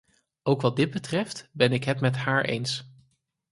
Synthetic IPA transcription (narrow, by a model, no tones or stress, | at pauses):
owkʋɑd̚ɪd̚bətrɛftbɛnɪkɦɛtmɛtɦaːɹʔḛjns